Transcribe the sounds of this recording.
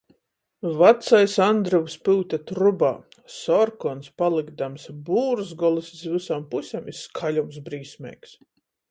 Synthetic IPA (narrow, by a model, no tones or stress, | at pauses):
vat̪sajsand̪ɾɔvspɨːt̪ʲat̪ɾuba̰ː | sɔɾkɔnspalˠiɡd̪amsbuːɾzɡɔlˠiszvɨsampusʲɛmiskʰalʲumsbɾiːsʲmʲɛ̰ːks